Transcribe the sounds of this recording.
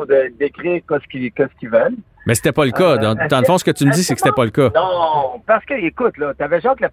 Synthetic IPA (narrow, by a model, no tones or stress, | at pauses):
d̪əd̪ekʲʁiːʁkɛskʲikʲɛskʲivɛl | mɛse̥t̪ɛpʌləkʌd̪ɑ̃d̪ɑ̃ləfɔ̃sə̥kət̪ymzisekəse̥t̪ɛpɔləkʌnɔ̃paʁsə̥kəekʊt̪lɔt̪yavɛʒɑ̃kla